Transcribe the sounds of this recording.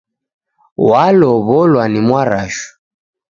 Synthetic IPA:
walɔβɔlwanimwaɾaʃu̥

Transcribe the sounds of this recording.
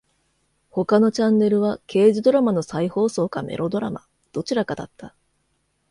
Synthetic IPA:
ho̞kano̞t͡ɕãnːe̞ɾɯ̟β̞ake̞ːʑid̪o̞ɾamano̞saiho̞ːso̞ːkame̞̰ɾʔo̞d̪o̞ɾama̰ | d̪̥o̞t͡ɕiɾakad̪a̰t̪ːa

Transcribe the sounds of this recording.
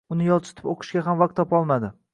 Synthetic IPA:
ʊnɪjɒlˠt͡ʃʰɪ̥t̪ʰɪ̥poqʰɨ̥ʃɡʲaɦamvaq̚t̪ʰːɒpɒlˠmad̪ɪ

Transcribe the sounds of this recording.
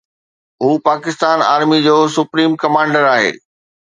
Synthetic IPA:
ɦuːpaːkɪst̪aːna̰ːɾmid͡ʑoːsʊpɾiːmkɐmãːɳɖəɾaːɦḛː

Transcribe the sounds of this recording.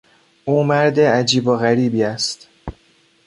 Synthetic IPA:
ʔuːmæɾd̪eæd͡ʒiːboɣæɾiːbiːæst̪

